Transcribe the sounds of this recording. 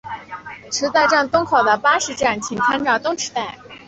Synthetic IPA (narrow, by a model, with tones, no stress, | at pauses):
ʈ͡ʂʰɻ̩˧˥t͡sa˥˧ɪʈ͡ʂa˥˧nt̪ʊ˥ŋkʰo˨˩ʊd̪ə˦pa˥ʂɻ̩˧˥ʈ͡ʂa˥˩nt͡ɕʰi˨˩ŋt͡sʰa˥nʈ͡ʂɑ˥˩ʊt̪ʊ˥ŋʈ͡ʂ̩ʰ˧˥t̪a˥˩ɪ